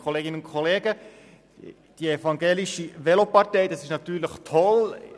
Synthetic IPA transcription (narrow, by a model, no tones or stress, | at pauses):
kʰoleːɡɪnənʊntkʰoleːɡə | d̥iefɑŋɡeːliʃiʋelopɑɾtɛɪd̥ɑsɪʃnɑt̪yːɾləχtʰɔl